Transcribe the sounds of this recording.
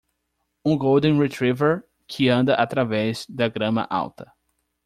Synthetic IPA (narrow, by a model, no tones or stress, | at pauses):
ũɡowd̪ẽɾet̪ɾiveɾ | kʰɪɐ̃nd̪ɐʔat̪ɾavɛzd̪ɐɡɾɐ̃mɐ̰ʔa̰wt̪ɐ̥